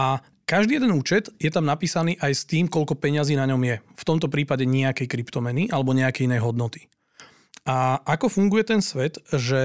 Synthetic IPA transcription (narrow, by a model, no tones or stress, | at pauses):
ʔa | kaʒd̪iːjɛd̪ɛnuːt͡ʃɛd̪jɛt̪amnapiːsaniːʔajst̪iːmkɔʎkɔpɛɲɪaziːnaɲɔmjɛft̪ɔmt̪ɔpɾiːpaɟɛɲɛakɛjkɾipt̪ɔmɛniʔalɛbɔɲɛakɛjinɛjɦɔd̪nɔt̪i̥ | ʔaakɔfuŋɡujɛt̪ɛnsʋɛt̪ʒɛ